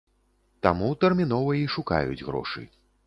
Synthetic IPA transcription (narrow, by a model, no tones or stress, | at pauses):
t̪amut̪ɛrmʲin̪ɔvɐjiʂuka̰jṵd͡zʲɣɾɔ̰ʂɨ̰